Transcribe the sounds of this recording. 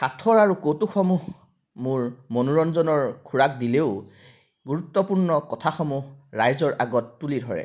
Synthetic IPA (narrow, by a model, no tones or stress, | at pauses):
xatʰɔɹaɹukotuxɔmuɦ | mʊɹmɔnuɹɔnzɔnɔɹkʰuɹak̚dileʊ | ɡuɹutːɔpuɹnɔkɔtʰaxɔmuɦɹajzɔɹʔaɡɔtːulidʱɔɹɛ̰